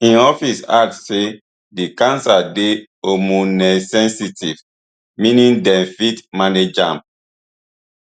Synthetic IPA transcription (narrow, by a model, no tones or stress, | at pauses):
ĩnɔfisa̰k̚tːe | dikãnsade | omunɛsɛ̃nsitiv | mĩnĩndɛ̃nfitmaned͡ʒãmp̚